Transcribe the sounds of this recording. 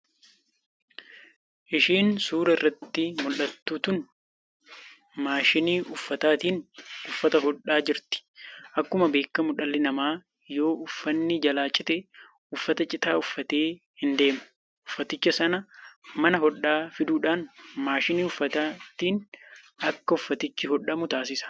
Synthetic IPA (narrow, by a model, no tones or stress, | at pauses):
ʔɪʃiːnsuːɾɐɪrːɐt̪ːɪmʊlːɐt̪ːuːt̪ʊn | maːʃɪniːʔʊfːɐt̪aːt̪iːnʊfːɐt̪ɐɦɔᶑaːd͡ʒɪɾt̪ɪ̥ʔɐkːʊmɐbe̞ːkːɐmʊᶑɐlːɪnɐmaː | jo̞ːʔʊfːɐnːɪd͡ʒɐlaːt͡ʃʼɪt̪ɛ | ʊfːɐt̪ɐt͡ʃʼɪt̪aːʊfːɐt̪e̞ː | hɪnd̪e̞ːmʊ̥ | ʔʊfːɐt̪ɪt͡ʃːɐsɐnɐmɐnɐɦɔᶑːaːfɪd̪uːᶑaːnmaːʃɪniːʊfːɐt̪aːt̪iːn | ʔɐkːɐʊfːɐt̪ɪt͡ʃːɪɦɔᶑɐmʊt̪aːsɪsɐ̥